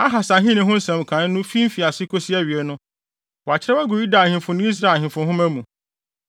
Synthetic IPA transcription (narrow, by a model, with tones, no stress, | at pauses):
a˦ɦa˨sa˨ɦɪ̃˦nɪ̃˨ɦʊ̃˦n̩˦sɛ̃˨m˨kʰã˨˦n˦nʊ̃˦fi˦m̩˦fi˨a˨sɪ˦kʰo˦si˦æ˦ɥi˨ɛ˨nʊ̃˦ | wɔ˨a˨t͡ɕʰɪ˦ɾɛ˦a˦ɡʊ˨ji˦da˨hɪ̃˨fʊ̃˨nʊ̃˦i˦s̬ɾa˨hɪ̃˨fʊ̃˨hʊ̃˦mæ̃˦mũ˨